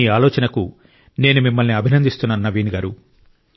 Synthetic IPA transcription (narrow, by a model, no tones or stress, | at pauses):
iːaːlɔːt͡ʃɐnɐku | ne̞ːnumimːɐlniɐbʱinɐnd̪ist̪unːaːnnːɐʋiːnɡaːɾu